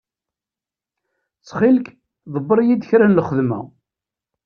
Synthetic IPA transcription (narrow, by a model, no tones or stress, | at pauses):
t͡sːχilk | ðˤəbːɾˤjid̪çɾænləχəðmæ̰